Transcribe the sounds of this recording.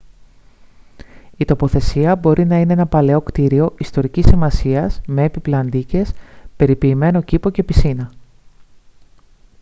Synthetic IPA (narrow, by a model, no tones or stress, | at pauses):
it̪o̞po̞θe̞siɐbo̞ɾʔinɐine̞enɐpɐle̞o̞kt̪iɾio̞ʔist̪o̞ɾicisimɐsiɐzme̞ːpiplɐnd̪ice̞spe̞ɾipiːme̞no̞cipo̞ce̞pisinɐ